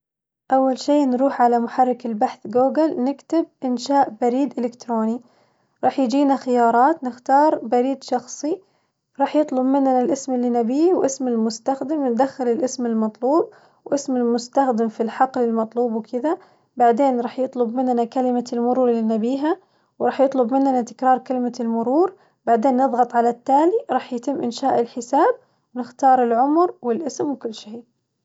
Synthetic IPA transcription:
ʔawːalʃeːʔnɾuːħʕalamʊħɑrˤːɪkɪlbaħθɡuːɡɪlnɪkt̪ɪb̚ʔɪnʃaːʔbaɾiːd̪ʔɪlɪkt̪ɾoːni | ɾˤɑːħjɪd͡ʒiːnaxɪjɑːɾˤɑːt̪nɪxt̪ɑːɾˤbaɾiːd̪ʃɑxsˤi | ɾˤɑːħjɨt̪ˤlʊbmɪnːnalʔɪsmɪlːiːnabiːwʔɪsmɪlmʊst̪axd̪ɪmnd̪axːɪlɪlʔɪsmɪlmɑt̪ˤluːb̚ | wʔɪsmɪlmʊst̪axd̪ɪmfilħɑqlɪlmɑt̪ˤluːbwkʰɪd̪a | baʕd̪eːnɾˤɑːħjɨt̪ˤlʊbmɪnːnakalɪmalmʊɾuːɾˤlinabiːɦa | wɾˤɑːħjɨt̪ˤlʊbmɪnːnat̪ɪ̥kɾˤɑːɾˤkalɪmalmʊɾuːɾ | baʕd̪eːnːɨðˤɣɑt̪ˤʕalat̪ːaːliɾˤɑːħjt̪ɪmːʔɪnʃaːʔɪlħɪsaːb̚ | wnɪxt̪ɑːɾˤɪlʕʊmɾwɪlʔɪsmwkʊlːʃeː

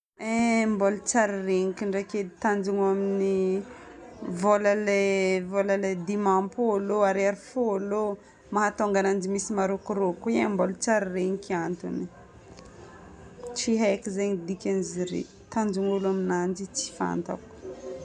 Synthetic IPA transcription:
embolut͡saɾireɲikʲiɳɖ͡ʐeked̪it̪and͡ʒuŋamini | voləlevolaled̪imampoaloaɾaɾifoalo | maɦat̪oŋɡanand͡ʒimisimaɾokuɾokuambolt͡saɾireɲikiant̪ṵni | t͡siɦakizeɲid̪ikʲaniziɾḛ | t̪and͡ʒuŋulaminand͡ʒit͡si̥fa̰nt̪a̰ku̥

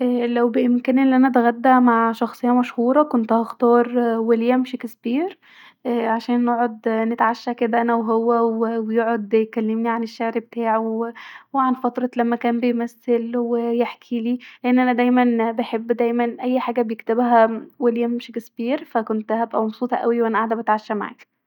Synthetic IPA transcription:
ʔælæwbeʔɪmkæːnʔelːiʔænæt̪eɣæd̪ːæmaʕʃɑxsˤejːɑmæʃhuːɾˤɑkont̪æhæxt̪ɑːɾˤweljæmʃekesbiːɾ | ʔæʕaʃæːnːoʕod̪net̪ʕaʃːæked̪æʔænæwɦowːæwewejoʕod̪jekælːemniʕaneʃːeʕɾbt̪aːʕ | weʕanfɑt̪ɾˤɑlæmːækæːmbejmæsːelwejeħkʰiliːleʔenːʔænæd̪æjmænbeħebːd̪æjmænʔæjːħaːɡæbejekt̪ebɦæweljæmmeʃekesbiːɾfækont̪hæbʔæmɑbsˤuːt̪ˤɑʔæwiwʔænæʔaʕd̪æbet̪ʕaʃːæma̰ʕa̰k

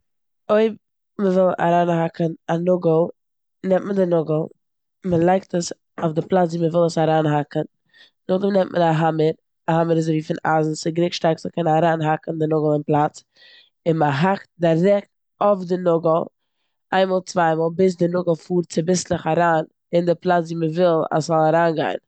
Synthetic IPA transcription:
oɪb̚ | məvɪlˠa̰ɾaːnɦakənanʊɡəl̩ˠ | nɛmtməndɪnʊɡəl̩ˠ | məlˠaɪktəs | aʊfdɪplˠat͡sviːməvɪlˠəsaɾaːnɦakən̩ | nʊɡl̩ˠnɛmtmʔə̰naɦaməɾ | aɦaməɾɪzoviːfɪna̰zn̩sɪɡɾɪkʃtaɾksməkʰɛnaɾaːnɦakn̩dɪnʊɡəl̩ˠɪnplˠat͡s | ɪnməɦakt̚dɪɾɛk̚t | ofdɪnʊɡəl̩ˠ | aɪnmɔːlˠt͡svaɪmɔːlˠbɪs̬dɪnʊɡəl̩ˠfuːɾt͡sɪbɪslɪχaɾaːn | ɪndɪplˠat͡sviːməvɪlˠa̰szɔlˠaɾaːnɡa̰ɪn

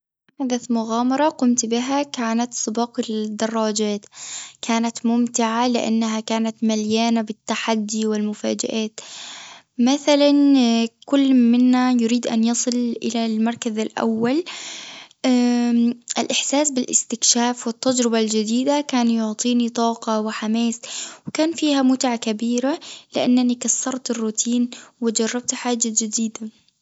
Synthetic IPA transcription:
ʕad̪amʊɣaːmɑɾˤɑqʊmt̪bɪɦakaːnat̪sˤɨbɑːqɪd̪ɑrˤːɑːd͡ʒaːt̪kʰaːnat̪mʊmt̪ɪʕalɪʔa̰nːaɦakaːnat̪maljaːnabɪt̪ːaħad̪ːiwɪlmʊfa̰ːd͡ʒa̰ʔaːt̪ | maθalankʊlːmɪnːajʊɾiːd̪ʔa̰njɑsˤɨlʔɪlalmɑɾˤkazalʔa̰wːal | ʔɪlʔɪħsaːsbɪlʔɪ̰st̪ɪkʃaːfwɪt̪ːad͡ʒɾɪbald͡ʒɪd̪iːd̪akaːnjʊʕt̪ˤiːnit̪ˤɑːqɑwɪħamaːswɪkaːnfiːhamʊt̪ʕakabiːɾalɪʔanːanikasːɑɾˤt̪ɪrːut̪ʰiːnwɪd͡ʒɑrˤːɑb̚t̪ħaːd͡ʒːad͡ʒɪd̪iːd̪a

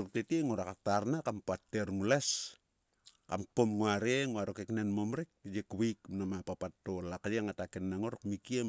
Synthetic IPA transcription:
ɾoktetieŋoɾakataɾnakampatːeɾŋules | kamkomŋoaɾeŋoaɾokeknenmomɾek̚jekβijkmnamapapatːolakajeŋatakenːaŋoɾakmikiem

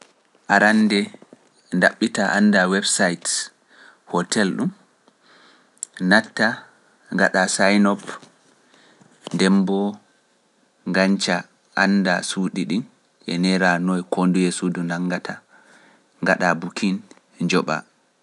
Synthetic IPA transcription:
ʔaɾandɛ | ndaɓːitaʔanːdawɛbsajt | hɔtʰɛlɗum | natːa | ŋɡaɗasajnɔp | dɛmbɔ | ŋɡaɲt͡ʃa | ʔandasuɗiɗin | ʔɛ̰nɛɾanɔjkʰondujɛsudunaŋːɡatʰa | ŋɡaɗabukʰin | d͡ʒɔɓa̰

